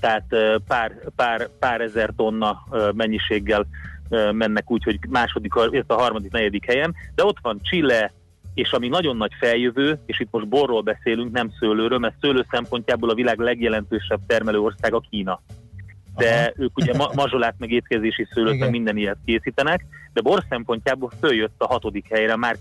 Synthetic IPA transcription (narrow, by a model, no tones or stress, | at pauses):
t̪ɛɦaːt̪øpaːrpaːrpaːɾɛzɛrt̪o̞nːɒmɛɲːiʃeːɡːɛlømɛnːɛkuːcho̞ɟmaːʃod̪ikhɒet̪ːɒɦɒrmɒd̪iknɛɟɛd̪ikhɛjɛnd̪ɛo̞t̪ʋɒnt͡ʃilːɛ | eːʃɒminɒɟo̞nːɒcfɛljøvøːeːʃit̪mo̞ʒd̪̚bo̞rːoːlbɛseːlyŋknɛmsøːløːɾøːlmɛrt̪søːløːsɛmpo̞ɲcaːboːlɒvilaːɡlɛɡjɛlɛnt̪øːʃɛb̚t̪ɛrmɛløːo̞rsaːɡɒkiːnɒ | d̥̪ɛøːkuɟɛmmɒʒolaːt̪mɛɡeːt̪kɛzeːʃisøːløːt̪mɛɡmind̪ɛnijɛt̪̚keːsiːt̪ɛnɛkd̪ɛbo̞rsɛmpo̞ɲcaːboːlføljøt̪ːɒɦɒt̪o̞d̪ikhɛjrɛmaːr